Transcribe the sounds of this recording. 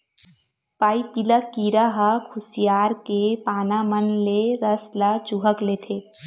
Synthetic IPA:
paːipilakiːɾaɦakʰʊsijaːɾkepaːnamənleɾəslat͡ʃuɦəkleːt̪ʰeː

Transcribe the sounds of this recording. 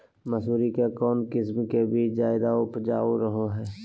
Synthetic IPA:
məsuːɾikekɔːnkɪsmkebʱid͡ʒaːɪd̪aʊpd͡ʒaːoɾəɦoɦɛː

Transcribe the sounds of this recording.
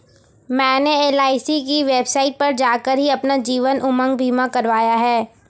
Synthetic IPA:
mɛ̃ːneeːlaːɪsikiʋeːbsaːɪʈ̚pɐɾd͡ʒaːkəɾɦiɐpnad͡ʒiːʋənʔʊmə̃ŋɡ̚bʱiːmakɐɾʋaːjaɦɛː

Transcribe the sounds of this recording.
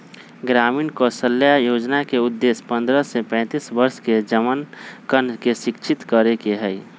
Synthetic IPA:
ɡɾaːmiːnkosəlːjajoːd͡ʒnakeʊd̪ːeːspə̃nd̪ɾəsepɛ̃t̪isbəɾsked͡ʒəmənkənkeʃɪkt͡ʃʰɪt̪kəɾekeɦɛi

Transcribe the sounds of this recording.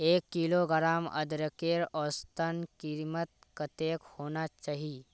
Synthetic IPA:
ekːiloɡəɾamə̰d̪ɾəkeɾɔst̪ənkiɾmət̪̚kət̪ekhonat͡ʃaɦi

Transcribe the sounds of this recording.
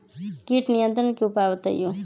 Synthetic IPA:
kiʈnijənt̪ɾənkeupaːʋət̪ə̰jo

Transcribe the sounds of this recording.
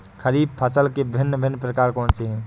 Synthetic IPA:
kʰəɾib̚pʰəsəlkebʱɪnːəbʱɪnːpɾəkaːɾkɔːnt͡ʃeɦɛ̃

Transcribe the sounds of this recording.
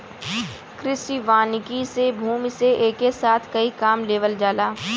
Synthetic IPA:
kɾɪsiʋaːnɪkisebʱuːmiseʔeːkesaːt̪ʰkɐikaːmleːʋəld͡ʒaːlaː

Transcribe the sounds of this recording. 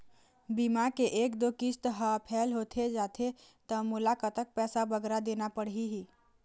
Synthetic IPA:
bimakeʔekd̪okist̪ɦəpʰɛlɦot̪ʰed͡ʒat̪ʰet̪əmulakət̪ək̚pɛsabəɡɾad̪enapəɽɦiɦi

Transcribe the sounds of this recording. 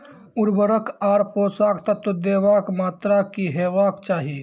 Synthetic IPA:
ʊɾbəɾəkʰaːɾpoːsaːkt̪ɐt̪od̪eːʋaːkmaːt̪ɾakiɦeːʋaːkt͡ʃaːɦiː

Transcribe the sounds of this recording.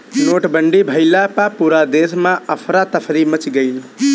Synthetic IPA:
noʈbəɳɖibʱəɪlapapuɾad̪esmaəpʰɾat̪əpʰɾimət͡ʃɡeɪl

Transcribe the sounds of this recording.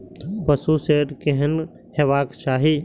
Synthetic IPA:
bɐsuseːɾkeɦən | heʋaːkʃaːɦi

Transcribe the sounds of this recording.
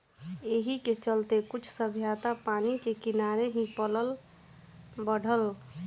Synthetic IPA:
eɦiket͡ʃəlt̪ekut͡ʃʰsəbʱjat̪apanikekɪnaɾeɦĩpələl | bəɽ̤ʱəl

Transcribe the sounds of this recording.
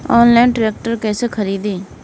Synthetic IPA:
ɔːnlɛːnʈɾeːk̚ʈəɾkɛːseːkʰəɾiːd̪eː

